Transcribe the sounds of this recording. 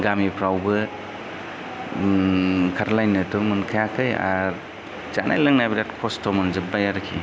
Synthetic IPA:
ɡamipʰɾawbɯ | kʰaɾlajnɯtɔmɯnkʰajakʰɯja̰ɾ | za̰nʔa̰jlɯŋnajbiɾatkʰɔstʰɔmɯnzɯp̚b̚ajaɾkʰi

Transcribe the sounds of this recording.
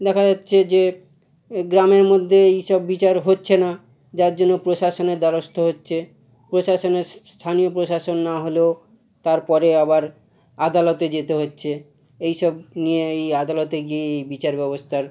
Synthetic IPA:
d̪ɛkʰad͡ʑatːɕʰed͡ʑe | ɡɾameɾmod̪ʱːeejʃɔbːit͡ɕaɾɦotːɕʰena | d͡ʑaɾd͡ʑonːopɾoʃaʃoneɾd̪aɾost̪ʰoɦotːɕʰe | pɾoʃaʃoneɾsst̪ʰanijopɾoʃaʃonːaɦole | t̪aɾpɔɾeabaɾ | ad̪alot̪ed͡ʑet̪eɦotːɕʰe | ejʃɔb̚nijeejad̪alot̪eɡieejbit͡ɕaɾbɛbost̪ʰaɾ

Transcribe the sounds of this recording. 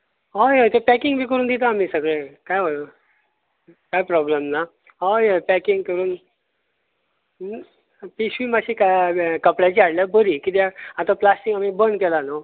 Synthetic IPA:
ɦajet̪epɛkiŋɡmiːkəɾuːnd̪it̪aːm̤iːsəɡɭekajʋol | kajpɾɔbləmna | ɦajepɛkiŋɡkəɾuːn | piɕʋiːmaɕikakəpɽjat͡ɕiaɽljabəɾikit̪̬eaat̪ãplasʈiŋɡamiːbənkɛlana

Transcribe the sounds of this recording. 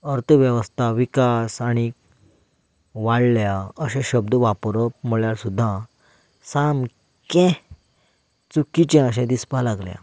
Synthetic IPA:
əɾt̪ʰʋjɛʋəst̪ʰaʋikasaɽ̃i | ʋaɽljaəɕɛ̃ɕəbd̪ʱəʋapɾəpm̤əɭjaɾsud̪ʱːã | sam | kɛ̃ | t͡sukit͡ɕɛ̃əɕɛ̃d̪ispalaɡlja̰

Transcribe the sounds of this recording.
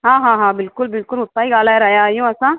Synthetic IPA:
ɦãːɦãːɦãːbɪlkʊlbɪlkʊlɦʊt̪ːaːiɡaːlaɛɾɐɦjajũɐsã

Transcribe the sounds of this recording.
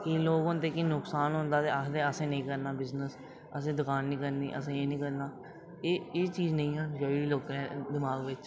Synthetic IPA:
kiloːɡõnt̪eːkinʊksaːnɦʊ̃nd̪aːt̪eːəd̪eːəsẽːnəĩːkəɾnaːbɪznəs | əsẽːd̪ʊkaːnːĩːkəɾniːʔə̰sẽːeːnĩːkəɾnaː | eeːt͡ʃiːznə̃ĩːɦãːd͡ʒoːiːloːkɛ̃ːd̪ɪmaːɡʋɪt͡ʃ

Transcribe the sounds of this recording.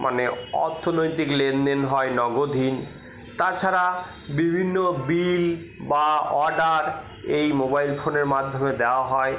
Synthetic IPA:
mʔa̰neɔ̰ɾt̪ʰonojt̪iklend̪enɦɔenɔɡod̪ʱin | t̪at͡ɕʰaɾa | bibʱinːobil | baɔɾɖaɾ | ejmobajlfʰoneɾmad̪ʱːomed̪eoaɦɔe

